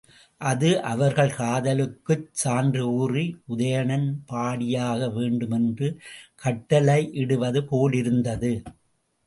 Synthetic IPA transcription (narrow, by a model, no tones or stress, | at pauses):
ʔɐðɯʔɐʋɐɾɣɐɭkaːðɐlɯkːɯt͡ʃsaːndrɯuːriʔʊðɐjɐɳɐnpaːɽɪjaːɣɐʋeːɳɖɯmɛndrɯkɐʈːɐlɐɪʔɪɽɯʋɐðɯpoːlɪɾɯnd̪ɐðɯ